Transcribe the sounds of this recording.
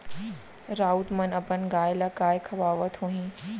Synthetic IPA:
ɾaːut̪mɐnɐpənɡaːjlakaːjkʰɐʋaːʋət̪ʰɦũɦĩ

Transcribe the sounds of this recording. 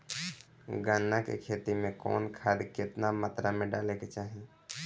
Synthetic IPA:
ɡaːnːakḛkʰeːt̪imẽkɔ̰ːnkʰaːd̪kɪt̪namət̪ɾamẽɖaːleket͡ʃaːɦi

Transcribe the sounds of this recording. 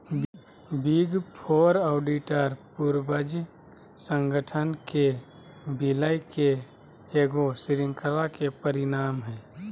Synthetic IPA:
biɡpʰoːɾɔːɖiʈəɾpuɾbəd͡ʒi | sə̃ŋɡəʈʰənke | biləjke | eːɡosɪɾɪ̃ŋkʰəlakepəɾɪnaːmɦɛː

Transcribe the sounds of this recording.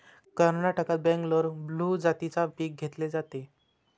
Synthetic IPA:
kəɾnaʈəkat̪̚bɛ̃ŋkloɾblud͡zat̪it͡sapiːk̚ɡʱet̪led͡zat̪e

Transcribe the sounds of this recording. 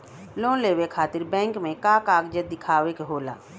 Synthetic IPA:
lõːleːwekʰaːt̪ɪɾbɛ̃ːŋkmẽkaːkaːɡd͡ʒəd̪ɪkʰaːʋekeɦoːla̰ː

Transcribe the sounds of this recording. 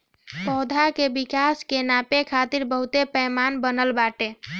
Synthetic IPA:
pɔɦd̪ʱakebikaskenapekʰat̪iɾbəɦut̪epəjmanbənəlbaʈe

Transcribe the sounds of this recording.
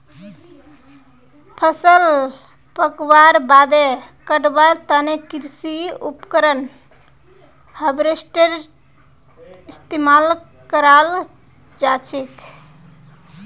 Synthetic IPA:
pʰəsəl | pəkbaɾbad̪ekəɖbaɾt̪ənekiɾsiupkəɾən | həbɾesʈəɾ | ist̪emal | kəɾal | d͡ʒat͡ʃʰek

